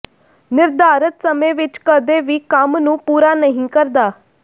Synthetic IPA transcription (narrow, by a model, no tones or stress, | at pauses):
nɪɾd̪aːɾət̪səmẽːʋɪt͡ʃkəd̪eːʋiːkəmnũːpuːɾaːnəɦĩkəɾd̪aː